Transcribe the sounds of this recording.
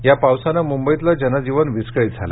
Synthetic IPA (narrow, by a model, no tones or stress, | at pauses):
japawsanamumbəjit̪lad͡ʑənad͡ʑiʋənʋiskɭit̪̚d͡zʱa̰la̰